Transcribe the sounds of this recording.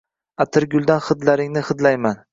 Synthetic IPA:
at̪ʰɪɾɡʲʊlˠd̪anχɨd̪laɾɪŋnɪχɨd̪lajman

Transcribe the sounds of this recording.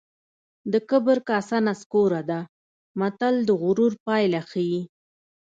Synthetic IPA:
d̪əkəbəɾkasanaskoɾad̪a | mat̪ald̪əɣʊɾuɾpɑjlaxiji

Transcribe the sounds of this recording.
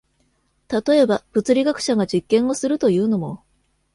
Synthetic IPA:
t̪at̪o̞e̞bab̥ɯ̟t͡sɨɾʲiɡakɯ̟̥ɕaɡad͡ʑikːẽ̞ɰ̃o̞sɨɾɯ̟t̪o̞jɯ̟ːno̞mo̞

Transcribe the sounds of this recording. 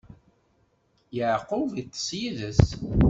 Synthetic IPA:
jəʕqʊvit̪ˤːə̥sjiðəs

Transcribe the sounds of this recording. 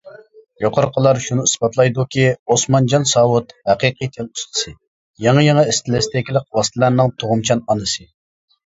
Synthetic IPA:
joqʰɑɾqʰəlˠɑɾʃunuisbɑt̪ʰlˠɑjd̪ukʲiosmɑnd͡ʒɑnsɑwut̪hæqiqʰɨt̪ʰɪnust̪ʰɨ̥sɨ | jɑŋɑjɑŋɑist̪ʰɪlɪst̪ɪkʲilˠɪq̚wɑst̪ʰɨlæɾnɨŋt̪ʰoʁʊmt͡ʃʰɑnɑnɨsɨ

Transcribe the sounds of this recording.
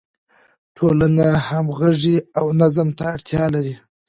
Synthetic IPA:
ʈʰolanahamɣaʐiawnazəmt̪aːɽt̪ʰjɑlaɾi

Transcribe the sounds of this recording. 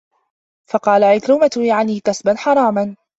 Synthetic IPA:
fɑqɑːlaʕajt̪ɾʊmat̪ʊjaʕaniːkasbanħɑɾˤɑːman

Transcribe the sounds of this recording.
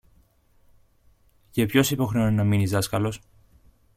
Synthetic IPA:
cepço̞sipo̞xɾeoninɐminizðɐskɐlo̞s

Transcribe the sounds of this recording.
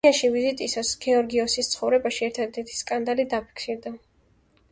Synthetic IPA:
aʃivizit̪ʼisasɡ̥ɛɔɾɡiɔsist̪sʰχɔvɾɛbaʃiɛɾt̪ʰad̪ɛɾt̪ʰi̥skʼand̪alid̪apʰi̥ksiɾd̪a

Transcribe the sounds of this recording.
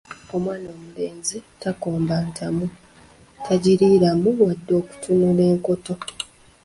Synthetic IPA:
o̞mwaːno̞ːmule̞ːnzitako̞ːmbantʰamu | tʰaɟiɾiːɾamuwadːo̞ːku̥tʰunule̞ːŋko̞to̞

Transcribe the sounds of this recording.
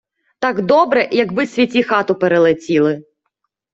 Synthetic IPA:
t̪ɑɡd̪ɔbɾɛjɐɡbɪsʲʋʲitʲixɑt̪ʊpeɾelˠetʲilˠɪ

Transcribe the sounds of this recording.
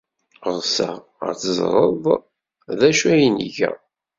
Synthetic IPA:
əðˤsæ̰ | ə̰t͡szˤɾˤəðˤ | ðæʃæjinḭʝæ̰

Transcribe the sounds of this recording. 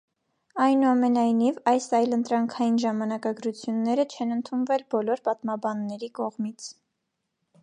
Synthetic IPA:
ɑjnuɑmɛnɑjnivɑjsɑjlənt̪ɾɑŋkʰɑjinʒɑmɑnɑkɑɡɾut͡sʰjunːɛɾət͡ʃʰɛnənt̪ʰunvɛlbɔlɔɾpɑt̪mɑbɑnːɛɾikɔʁmit͡sʰ

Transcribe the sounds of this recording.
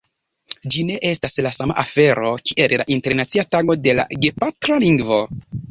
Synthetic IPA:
d͡ʒine̞ʔe̞staslasama̰ʔafe̞ɾo̞kiʔella̰ʔinte̞ɾnat͡siataɡo̞de̞la̰ɡe̞patɾaliŋɡvo̞

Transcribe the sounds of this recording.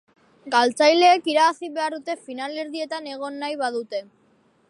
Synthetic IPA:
ɡalt͡sajle̞ːkiɾaasiβe̞aɾðut̪e̞finale̞ɾðie̞t̪ane̞ɣ̞o̞nːajβaðut̪e̞

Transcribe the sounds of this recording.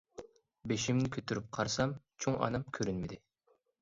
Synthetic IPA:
beʃimnɪkʲʰøt̪ʰyɾyp̚qʰɑɾsɑmt͡ʃʰoŋʔɑ̰nɑmkʲʰøɾynmɪd̪ɪ

